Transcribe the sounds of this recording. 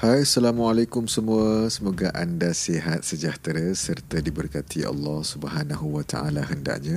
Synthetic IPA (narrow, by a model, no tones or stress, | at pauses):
hajsalamualakumsəmũəsəmoɡaʔandaseɦat̪̚səd͡ʒaht̪ɾasərt̪adibərkat̪ʰia̰lːɑhsubəɦanaɦuwat̪a̰ʔa̰laɦənda̰ʔɲã